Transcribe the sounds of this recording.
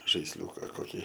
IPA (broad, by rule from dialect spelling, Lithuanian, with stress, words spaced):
ʒɐɪsʲˈlʲuːkɐ koːˈkʲiː